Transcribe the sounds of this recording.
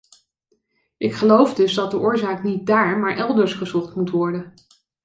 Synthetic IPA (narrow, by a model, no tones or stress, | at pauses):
ʔɪkχəlowfdɵzdɑt̚dəʔʊːɹzaːknit̚daːɹmaːɹʔɛlˠdəɹsχəzɔχtmutʋɔɹdən